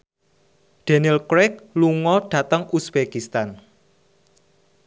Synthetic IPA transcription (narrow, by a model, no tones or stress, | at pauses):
ɖ̥e̤nilkɾɛk̚luŋɔɖ̥a̤t̪əŋusb̥ekist̪an